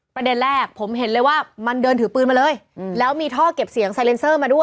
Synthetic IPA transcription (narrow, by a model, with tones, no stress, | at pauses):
pɾa˧de˧nɾɛː˥˩k̚pʰo˩˦mɦe˩˦nlɤː˧jwaː˥˩ma˧ndɤː˧nt̪ʰɯː˩˦pɯː˧nmaː˧lɤː˧jlɛː˦˥wmiː˧t̪ʰɔː˥˩ke˨˩p̚si˨˩˦əŋsa˧jle˧nsɤː˥˩maː˧du˥˩əj